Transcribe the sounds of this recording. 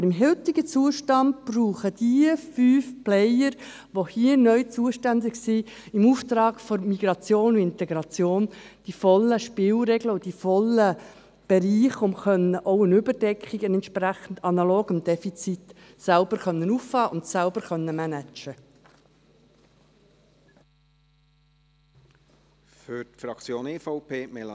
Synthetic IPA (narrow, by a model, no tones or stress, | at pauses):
bəɾɪmɦɪlt̪iɡət͡suəʃtɑnd̚b̥ruːχəd̥iəfyːfplɛjəɾ | ʋohiːənœʏt͡suəʃtændɪɡsi | ɪmuːft̪ɾɑːɡ̥fɔmiɡ̥ɾɑt͡sjoːnʊnɪnt̪ɛɡɾɑt͡sjoːnd̥ifɔlːəʃpɪːlɾɛɡləʊd̥ifɔlə | b̥ɛɾiːχʊmχœnəʔɔʊənʏbəɾd̥ɛkχiɡənɛntʃpɾæχən̩d̪ɑnɑloːɡɪmd̥̪ɛfit͡sit̪ | sælbəɾχœnːənuːfɑːʔʊnt̪sælbəɾχœnːəmænæt͡ʃə | fʏtfɾɑkt͡sjoːnefɔʊpʰeːmɛl